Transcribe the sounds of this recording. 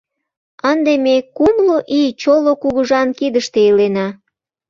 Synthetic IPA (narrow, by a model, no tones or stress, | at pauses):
ənd̪emekumloʔit͡ɕolokuɣuʒɑnkid̪əʃt̪eilenɑ